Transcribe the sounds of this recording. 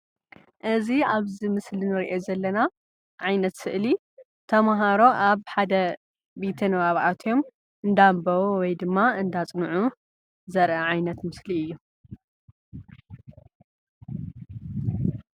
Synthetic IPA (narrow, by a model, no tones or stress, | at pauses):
ʔɨziaβzimɨslinɨɾiʔezɐlːɐna | ʕajnɐt̪sɨʔli | t̪ʰɐmɦaɾo̞ʔaβħad̪ɐ | bet̪ʰɐnɨβaβʔat̪ʰjom | ʔɨnd̪ambɐwuwɔjd̪ɨmːaɨnd̪at͡sʼnʕu | zɐɾʔɐʕajnɐt̪mɨsliɨjːu